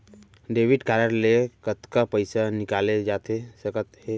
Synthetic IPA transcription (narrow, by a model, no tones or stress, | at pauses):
ɖeːʋɪɖkaːɾəɾlekət̪kapəɪsanɪkaːled͡ʒaːt̪esɐkət̪ɦɛ